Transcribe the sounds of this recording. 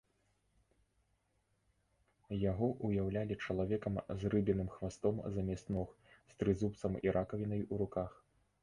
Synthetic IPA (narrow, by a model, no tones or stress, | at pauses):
jaɣɔʔujawlʲalʲit͡ʂɐlˠavʲɛkɐmzrɨbʲɛnɨmxvast̪ɔmzɐmʲɛst̪nɔx | st̪ɾɨzupt̪sɐmḭɾʔakɐvʲinɐjuɾukax